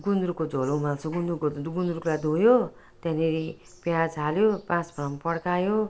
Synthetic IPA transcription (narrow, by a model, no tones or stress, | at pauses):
ɡund̪ɾukod͡zʱolomalt͡sʰoɡund̪ukoɡund̪ɾuklad̪ʱũjo | t̪ãneɾi | pjad͡zaljopãt͡sprʌmpʌɽkajo